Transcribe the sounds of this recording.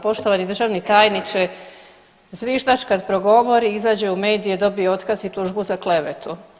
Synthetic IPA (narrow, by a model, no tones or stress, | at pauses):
po̞ʃt̪oʋanid̪r̩ʒaʋnit̪aːjnit͡ʃe | zʋiːʒd̪at͡ʃkad̪pɾo̞ɡo̞ʋo̞ɾiizaːd͡ʑeume̞ːd̪ijed̪o̞bijeo̞t̪kazit̪uʒbuzakle̞ʋet̪ʰu